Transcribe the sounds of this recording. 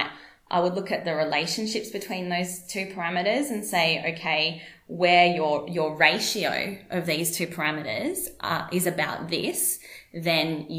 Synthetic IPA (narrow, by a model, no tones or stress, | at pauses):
ʔa̰ɪwədˡlʊkɨt̪̚ðɨɹɨleɪʃɨ̃n̩ʃɪpsb̥ɨtʰw̥ĩnðoʊz̥tʰʉpʰə˞æmɨɾə˞zɨ̃nseɪo̰ʊkʰeɪwə˞jə˞jə˞ɹeɪʃioʊʔʌvðiz̥tʰʉpʰə˞æmɨɾə̰˞zʔʔɪzɨbaʊt̪̚ðɪsðɨ̃nj